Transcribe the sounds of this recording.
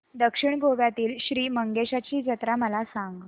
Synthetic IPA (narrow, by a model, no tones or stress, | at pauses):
d̪əkʂiɳɡoʋjat̪iːlɕɾiːməŋɡeɕat͡ɕiːd͡zət̪ɾaməlasaŋɡ